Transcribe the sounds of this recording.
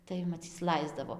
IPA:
tɐɪ mɐˈt͡sʲiːt͡s ˈlˠɐɪzdɐʋoː

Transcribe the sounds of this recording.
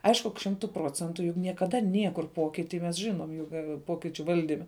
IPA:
ˈɐɪʃkʊ kɐ ˈʃʲɪmtʊ ˈproːt͡sʲɛntʊ jʊk nʲiɛkɐˈdɐ ˈnʲiɛkʊr ˈpoːkʲɪtʲɪ mʲɛs ʒʲɪˈnoːm ˈjʊk ˈpoːkʲɪt͡ʃʲʊ ˈʋɐlʲdʲɪmʲɛ

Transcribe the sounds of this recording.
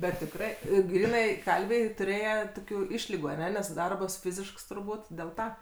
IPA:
bʲɛt tʲɪkˈrɐɪ ɪ ˈɡrʲiːnɐɪ ˈkɐlʲʋʲɛɪ tʊˈrʲeːjɛ ˈtoːkʲʊ ˈɪʃʲlʲɪɡʊ ɐˈnʲɛ nʲɛs ˈdɐrbɐs ˈfʲɪzʲɪʃks tʊrˈbuːt dʲɛlˠ ˈtɐ

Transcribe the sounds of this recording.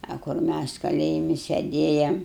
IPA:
ɐ kʊr ˈmʲæs kɐˈlʲeːjɪmʲɪ sʲɛˈdʲeːjɛm

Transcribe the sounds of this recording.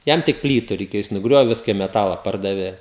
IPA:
ˈjɛm tʲɪk ˈpʲlʲiːtʊ rʲɛɪˈkʲeːjoː jɪs nʊˈɡrʲoːʋʲeː ˈʋʲɪskɐ ɪ mʲɛˈtɑːlˠɐ ˈpɐrdɐʋʲeː

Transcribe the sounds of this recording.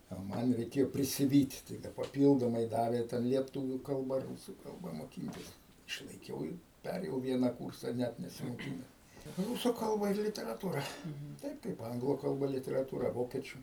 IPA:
oː ˈmɐn rʲɛɪˈkʲeːjoː pʲrʲɪsʲɪˈʋʲiːtʲ tɐɪ ˈdɐ pɐˈpʲiːlˠdoːmɐɪ ˈdɑːʋʲeː ˈtʲɛn lʲiɛˈtʊʋʲuː ˈkɐlˠbɐ ˈruːsuː ˈkɐlˠbɐ moːˈkʲiːnʲtʲɪs ɪʃlˠɐɪˈkʲɛʊ ɪr ˈpʲæːrʲeːjɛʊ ˈʋʲiɛnɐ ˈkuːrsɐ ˈnʲæt nʲɛsʲɪmoːˈkʲɪnʲɛs ˈrʊsuː ˈkɐlˠbɐ ɪr lʲɪtʲɛrɐˈtuːrɐ ˈtɐɪp kɐɪp ˈɐŋɡlˠuː kɐlˠˈbɐ lʲɪtʲɛrɐˈtuːrɐ ˈʋoːkʲiɛt͡ʃʲʊ

